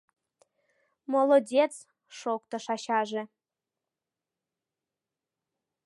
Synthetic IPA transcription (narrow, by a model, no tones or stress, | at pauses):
molˠodʲet͡s | ʃokt̪ɤ̆ʃɑɕɑʒĕ